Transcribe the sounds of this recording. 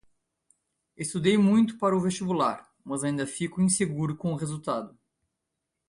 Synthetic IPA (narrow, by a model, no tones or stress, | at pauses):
est̪ud̪ejmũj̃t̪ʊ̥paɾɐʊvest͡ʃibulaɾ | mɐzaĩnd̪ɐfikʊĩseɡuɾʊkõʊʁezuwt̪ad̪ʊ